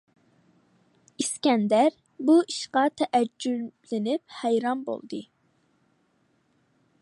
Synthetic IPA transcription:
iskʲɛnd̪æɾ | buiʃqɑt̪ʰɛʔæd͡ʒːylɪnɪphæjɾɑnbo̰lˠd̪ɨ

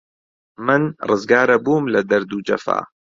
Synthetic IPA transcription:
mɨnrɨzɡaːɾɐbuːmlɐd̪ɐɾd̪uːd͡ʒɐ̰fa̰ː

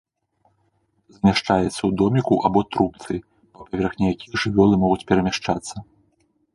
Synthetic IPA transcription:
zmʲaʂt͡ʂajɛt̪sːɐwd̪ɔmʲikuʔabɔt̪ɾupt̪sɨ | pɐpavʲɛrxnʲɛjakʲijɐʐɨvʲɔlˠɨmɔɣut͡sʲpʲɛɾɐmʲaʂt͡ʂat̪sːɐ

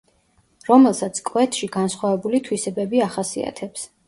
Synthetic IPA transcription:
ɾɔmɛlˠsat̪sʰkʼwɛt̪ʰʃiɡansχwavɛbulit̪ʰwisɛbɛbiaχasia̰t̪ʰɛps

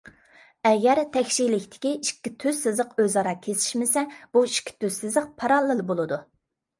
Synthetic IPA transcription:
ɛɡʲɛɾt̪ʰɛkʲʃilɪkʲt̪ʰɪ̥kʲiiʃkʲːit̪ʰøzːɨzəqøzɑɾɑkʲʰesɪ̥ʃmɪsɛb̥uiʃkʲʰːi̥t̪ʰøzsɨzɨq̚pʰɑɾɑlˠːɨlˠɨbolˠɨd̪u

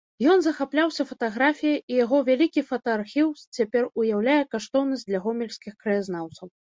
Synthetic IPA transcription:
jɔnzɐxaplʲawsʲɐfɐt̪aɣɾafʲijɐʔijaɣɔvʲalʲikʲifɐt̪ɐːrxʲiwst͡sʲapʲɛrujawlʲajɛkaʂt̪ɔwnɐsʲd̪lʲɐɣɔmʲɛlʲsʲkʲixkɾɐjaznawt̪sɐw

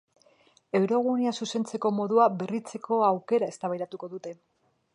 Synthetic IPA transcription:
e̞wɾo̞ɣ̞uniasuse̞nt͡se̞ko̞mo̞ðuabe̞rit͡se̞ko̞awke̞ɾae̞st̪aβajɾat̪uko̞ðut̪e̞

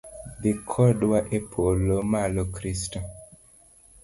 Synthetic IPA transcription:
ðikʰɔdwaʔepʰolomalokɾisto

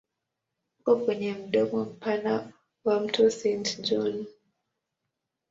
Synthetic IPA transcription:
kɔkwɛɲɛm̩ɗɔmɔm̩pana | wam̩tusintd͡ʒun

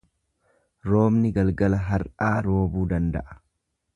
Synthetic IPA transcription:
ɾo̞ːmnɪɡɐlɡɐlɐɦɐɾʔaːɾo̞ːbuːd̪ɐnd̪ɐ̰ʔɐ̥

